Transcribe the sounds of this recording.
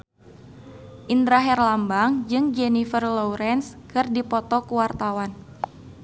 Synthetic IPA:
ʔind̪ɾaɦɛrlambaŋd͡ʒɨŋd͡ʒɛnifərlɔwɾɛnskɨrdipɔt̪ɔkuwart̪awan

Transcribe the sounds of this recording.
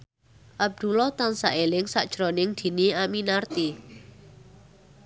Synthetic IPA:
ʔab̚d̪̥ulɔt̪ansaʔelɪŋsaʔd̥ʒ̥ɾonɪŋd̪̥i̤niaminart̪i

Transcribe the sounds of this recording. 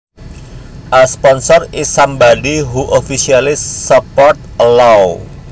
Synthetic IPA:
ʔaspɔnsɔrisambaɖiɦuʔofisialɪsːəpɔrt̪̚əlaw

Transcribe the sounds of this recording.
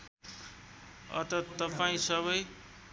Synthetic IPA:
ʌ̰t̪ʌt̪ʌpaĩsʌβʌj

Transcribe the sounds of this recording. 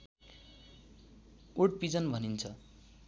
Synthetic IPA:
uʈpid͡zʌnbʱʌnint͡sʰʌ

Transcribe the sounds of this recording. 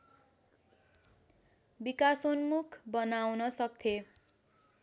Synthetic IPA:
bikasonmukʰbʌnawnʌsʌk̚t̪ʰe

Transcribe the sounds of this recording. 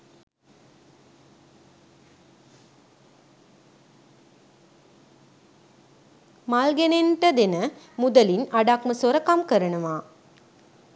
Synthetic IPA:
malɡeneɳʈəd̪enə | mud̪əlinaɖakməsoɾɐkamkəɾɐnəʋaː

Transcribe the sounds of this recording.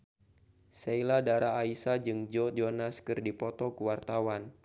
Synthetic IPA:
seiladaɾaːisad͡ʒɨŋd͡ʒɔd͡ʒɔnaskɨrdipɔt̪ɔkuwart̪awan

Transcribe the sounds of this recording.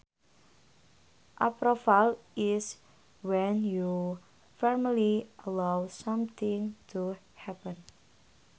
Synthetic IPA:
ʔapɾɔfalɪs | wɛnju | fɛɹmliəlawsamt̪ʰɪ̃ŋtʰu | hɛpə̃n

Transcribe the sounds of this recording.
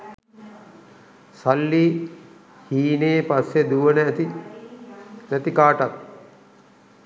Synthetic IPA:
salːi | hiːneːpasjed̪uʋənət̪i | næt̪ikaːʈat̪̚

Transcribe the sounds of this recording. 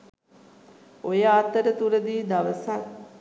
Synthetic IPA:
ojəat̪əɾət̪uɾəd̪iːd̪aʋəsaŋ

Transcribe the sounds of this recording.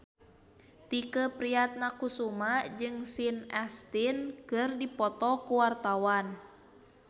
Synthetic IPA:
t̪ikəpɾiat̪̚nakusumad͡ʒɨŋsinɛst̪inkɨrdipɔt̪ɔkuwart̪awan

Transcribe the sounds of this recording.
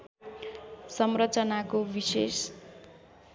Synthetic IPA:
sʌmrʌt͡sʌnakobises

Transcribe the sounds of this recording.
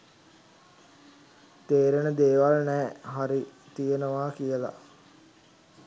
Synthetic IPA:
t̪eːɾenəd̪eːʋalnɛːɦaɾi | t̪ijənəʋaːkijəla̰

